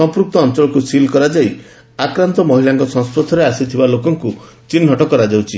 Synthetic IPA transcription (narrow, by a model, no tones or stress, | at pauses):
ɔmpɾuk̚t̪ɔːnt͡ʃɔlɔkusilkɔɾad͡ʒai | akɾant̪ɔmɔɦilaŋkɔsɔ̃ŋspɾot̪ʰɔɾeasit̪ʰibalokɔŋku | t͡ʃinɦɔʈɔkɔɾad͡ʒawt͡ʃʰi